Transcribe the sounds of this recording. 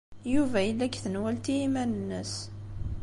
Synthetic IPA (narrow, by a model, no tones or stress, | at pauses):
juvæjəlːækːθənwælt̪iimænənːəs